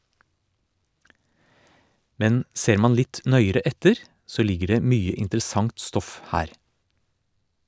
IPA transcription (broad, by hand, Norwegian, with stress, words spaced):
ˈmɛn ˈseːɾ ˈmɑn ˈlɪt ˈnœʏəɾɛ ˈɛtəɾ ˈsoː ˈlɪɡə ˈɖeː ˈmyːə ɪntɾəˈsɑŋt ˈstɔf ˈhæːɾ